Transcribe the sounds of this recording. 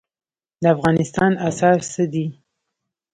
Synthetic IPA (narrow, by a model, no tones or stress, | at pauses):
d̪əafɣɑnɪst̪ɑnasɑɾsəd̪i